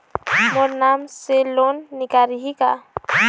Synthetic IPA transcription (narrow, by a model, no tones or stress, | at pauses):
moɾnamselonːikaɾiɦika̰